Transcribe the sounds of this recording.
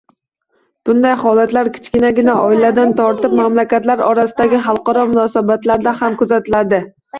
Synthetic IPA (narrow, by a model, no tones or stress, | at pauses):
b̥ʊnd̪ajhɒlat̪laɾkʲʰɪ̥t͡ʃkʲɪnaɡʲɪnaʔɒɪlad̪ant̪ʰɒɾt̪ɪp̚mamlakʲat̪laɾɒɾasɪd̪aɡʲɪχɑlˠqɒɾɒmʊnɒsabat̪laɾd̪ahamkʊzat̪ɪlad̪ɪ